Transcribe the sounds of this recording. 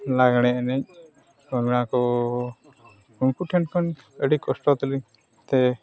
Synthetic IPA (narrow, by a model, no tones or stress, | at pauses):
laɡɽ̃ɛɛnɛɲ̚ | ɔɡñakɔ | unkuʈʰɛnkʰɔn | əɽikɔsʈɔt̪ɔli | t̪ɛ